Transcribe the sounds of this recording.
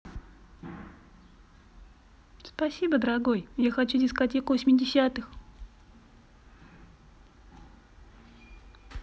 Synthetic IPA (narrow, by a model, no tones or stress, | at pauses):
spɐsʲibəd̪əɾɐɡo̞jjaxɐt͡ɕudʲɪskɐtʲekʊvəsʲmʲɪdʲɪsʲat̪ɨx